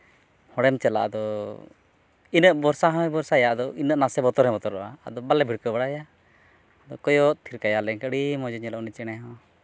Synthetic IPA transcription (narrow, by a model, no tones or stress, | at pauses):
hɔɽɛmt͡ʃɛla̰ʔd̪ɔ | inəʔbɔɾsaɦɔ̃ɛbɔɾsajaʔd̪ɔʔinəʔnasɛbɔt̪ɔɾɛbɔt̪ɔɾɔʔa̰a̰d̪ɔbalɛbʱiɽkəbaɽaja | ad̪ɔkɔjɔʔt̪ʰiɾkajalɛŋkəɽimɔd͡ʒɔɲɛlɔʔnit͡ʃɛɽ̃ɛɦɔ̃